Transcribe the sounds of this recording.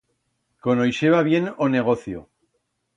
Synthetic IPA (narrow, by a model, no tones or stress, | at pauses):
ko̞nojʃeβaβje̞none̞ɣ̞o̞θjo̰